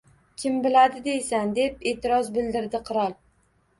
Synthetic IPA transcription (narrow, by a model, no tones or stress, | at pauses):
kʲʰɪmbɪlad̪ɪd̪e̞jsand̪e̞pe̞ːt̪ʰɪɾɒzbɪld̪ɪɾd̪ɪqʰɨɾɒlˠ